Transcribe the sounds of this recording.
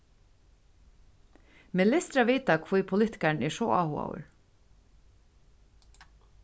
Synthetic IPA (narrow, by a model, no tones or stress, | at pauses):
mɛnlɪst̪ɾaveːt̪akʰvujpʰʊlɪht̪ɪ̥kaɳɛʂɔa̰ːhua̰w̰ɾ